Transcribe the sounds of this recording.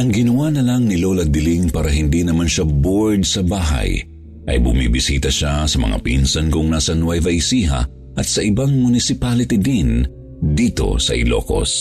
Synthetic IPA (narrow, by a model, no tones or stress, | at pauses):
ʔɐŋɡɪnɐwanɐlɐŋnɪlolɐd̪ɪliŋpaːɾɐɦɪnd̪inɐmanʃaboɹd̪sɐbaːɦɐ̰j | ʔɐ̰jbʊmḭbɪsiːt̪ɐʃasɐmɐ̰ŋa̰pinsɐnkʊŋnaːsɐnwajvɐisiːɦɐ̰ | ʔɐt̪sɐʔɪbaŋmʊnɪsɪpalɪt̪ɪd̪in | d̪iːt̪o̞̰sɐ̰ʔɪ̰lo̰ko̰s